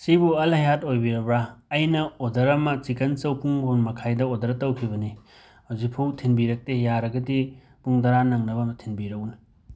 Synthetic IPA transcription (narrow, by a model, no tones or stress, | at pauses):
sibuɐlɦɐjatojbiɾɐbɾaːjnɐodɐɾɐmɐt͡ʃikɐnt͡ʃɐwpʰuŋbunmɐkʰajdɐodɐɾɐtɐwkʰibɐni | hawzik̚pʰuwtʰinbiɾɐk̚tejaɾɐɡɐdi | puŋdɐɾanɐŋnɐbɐmɐtʰinbiɾɐwni